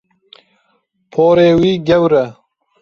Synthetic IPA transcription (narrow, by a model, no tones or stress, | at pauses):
pʰoːɾeːwiːɡɐwɾɐ